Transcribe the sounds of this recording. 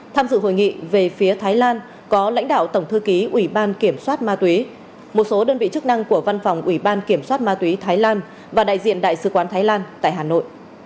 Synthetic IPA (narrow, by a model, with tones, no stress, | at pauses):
t̪ʰaː˧mzɨ̰˧˨ɦo̰˧˨jŋḭ˧˨ve˨˩fi˨˦ət̪ʰaː˨˦jlaː˧n | kɔ˨˦la̰˧˥jŋ̟ɗa̰ː˧˨wt̪ə˧˩wŋ͡mt̪ʰɨ˧ki˨˦ʔwi˧˩ɓaː˧nki˧˩əmswaː˦˥t̚maː˧t̪wi˨˦ | mo˨˩t̚so˨˦ɗəː˧nvḭ˧˨t͡ɕɨ˦˥k̚na˧ŋku˧˩əva˧nfwŋ͡mʔwi˧˩ɓaː˧nki˧˩əmswaː˦˥t̚maː˧t̪wi˨˦t̪ʰaː˨˦jlaː˧n | vaː˨˩ɗa̰ː˧˨jzḭ˧˨ənɗa̰ː˧˨jsɨ˨˦kwaː˨˦nt̪ʰaː˨˦jlaː˧nt̪a̰ː˧˨jɦaː˨˩no̰˧˨jʔ